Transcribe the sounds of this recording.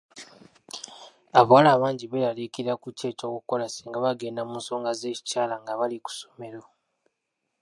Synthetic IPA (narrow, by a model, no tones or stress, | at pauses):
aβwalaːβaːɲɟiβeɾalekiiakuce̞ːco̞ːkuko̞lasiːŋɡaβaɡeːnamunso̞ːŋɡaze̞ːci̥caːlaŋɡaβaliku̥some̞ɾo